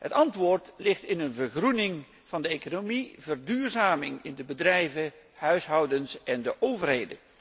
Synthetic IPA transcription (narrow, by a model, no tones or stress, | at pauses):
ɦətɑntʋʊːrtlɪχtɪnənvəɹχrunɪŋ | v̥ɑndəeːkonomivərdyːɹzaːmɪŋɪndəbədrɛjvə | hœɥsɦɑwdənsɛndəʔowvərɦejdə̰n